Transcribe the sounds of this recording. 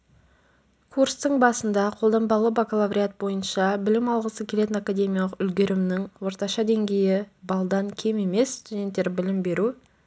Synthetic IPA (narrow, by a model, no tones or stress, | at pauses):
kʰuɾst̪əɴbɑsənd̪ɑqʰo̞lˠd̪ɑmbɑlˠəbaklˠavɾʲiat̪̚bo̞jənʃɑbɪlɪmɑlˠʁəsəkʲʰe̞le̞t̪ɪnakad̪ʲe̞mʲijalˠəqʏlɡʲe̞ɾɪmnɪŋwo̞ɾt̪ɑʃɑd̪e̞ŋɡʲe̞jɪbɑlˠd̪ɑŋkʲʰe̞me̞me̞sst̪ud̪ʲe̞nt̪ːe̞ɾbɪlɪmbe̞ɾu